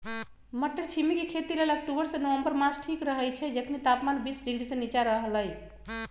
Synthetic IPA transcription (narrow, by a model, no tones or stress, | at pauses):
məʈːəɾt͡ʃʰimikekʰet̪ilelak̚ʈubəɾsẽnowəmbəɾmasʈʰikɾəɦəjt͡ʃʰɛd͡ʒəkʰnit̪apmanbisɖiɳɖisẽnit͡ʃaɾəɦələj